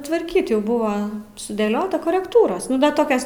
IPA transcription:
tʋɐrʲˈkʲiːtʲ ˈjɛʊ ˈbʊʋɐ sʊdʲeːˈlʲoːtɐ koːrʲɛkˈtuːroːs ˈnʊ dɐ ˈtoːkʲoːs

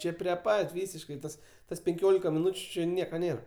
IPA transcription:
ˈt͡ʃʲeː pʲrʲiɛ ˈpɐtʲ ˈʋʲiːsʲɪʃkɐɪ tɐs ˈtɐs pʲɛŋʲˈkʲoːlʲɪkɐ mʲɪˈnuːt͡ʃʲʊ ˈt͡ʃʲɪ ˈnʲiɛkɐ ˈnʲeːrɐ

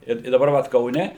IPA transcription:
ˈɪr ɪ dɐˈbɐr ʋɐt kɐʊˈnʲɛ

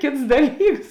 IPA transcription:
ˈkʲeːts ˈdɑːˌlʲiːks

